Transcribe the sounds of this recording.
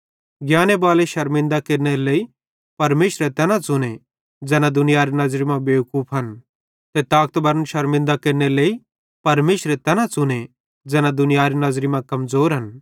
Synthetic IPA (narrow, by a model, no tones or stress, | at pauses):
ɡjaːnebaːleʃɐɾmɪ̃nd̪akeːɾneleːi | pɐɾmeːʃɾet̪ɛːnãt͡sʊne | d͡zɛːnad̪ʊnɪjaːɾinɐzɾimãbeːʊkuːpʰɦɐn | t̪et̪aːk̚t̪bɐɾənʃɐɾmɪ̃nd̪akeːɾneleːi | pɐɾmeːʃɾet̪ɛːnãt͡sʊne | d͡zɛːnad̪ʊnɪjaːɾinɐzɾimãkɐmzoːɾɦɐn